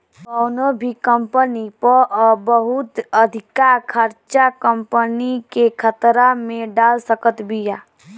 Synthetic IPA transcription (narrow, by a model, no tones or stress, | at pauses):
kɔːnobʱikəmpənipəɾɔːbəɦut̪əd̪ʱɪkakʰəɾt͡ʃakəmpənikekʰət̪ɾamẽɖaːlsəkət̪bʱijaː